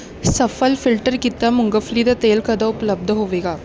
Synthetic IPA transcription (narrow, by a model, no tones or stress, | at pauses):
səfəlfilʈəɾkit̪ːamuŋɡəfliːd̪ət̪elkəd̪ʱəupələb̚d̪ʱəɦoʋeɡa